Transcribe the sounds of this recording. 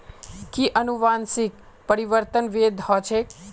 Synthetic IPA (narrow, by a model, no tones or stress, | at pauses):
kiʔənuʋansik̚ | pəɾiʋəɾt̪ənʋed̪ʱhɔt͡ʃʰe